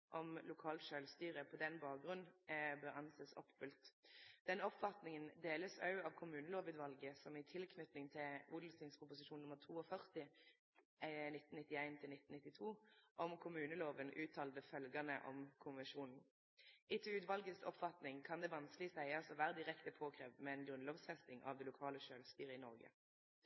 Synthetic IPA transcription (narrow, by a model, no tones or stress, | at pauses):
ʔɔmlʊkʰɑːlt̪ʃøːlst̪yːʁəpʰɔd̪ɛnːbɑːk̚ɡʁʉnnbøːʁɑnsɛt̪sɔ̰pːfʉlt̪d̪̥ɛnɔpfɑt̪nɪŋənd̪eːləsɑʉɑʋkʰʊmʉːnəloːʋʉːd̪ʋɑlɡəsɔmɪt̪ʰɪlkʰnʉt̪nɪŋt̪ʰɪlʔuːd̪l̩sɪŋspʊpʊsɪʃuːnʊmːəʁt̪ʰuːɔfœʁt̪ɪ | nɪt̪ːn̩ɪt̪ːɪæɪnt̪ʰɪlnɪt̪n̩ɪt̪ːɪt̪ʰuːʔɔmkʰʊmʉːnəloːʋənʔʉːt̪ʰɑːld̪əfœlɡɑnəʔɔ̰mkʰʊnʋɛnʃuːnn̩ | ʔɪt̪ʰuːʉːd̪ʋɑlɡəsɔ̰pfɑt̪nɪŋkʰɑnd̪ɛʋɑnsklɪsæɪɑsɔʋæːʁəd̪ɪʁɛkt̪əpʰoːkʰʁeːʋmɛɛnɡʁʉnloːʋsfɛst̪ɪŋʔɑ̰ʋd̪ɛlʊkʰɑːləʃøːlst̪yːʁəɪnɔʁɡə̰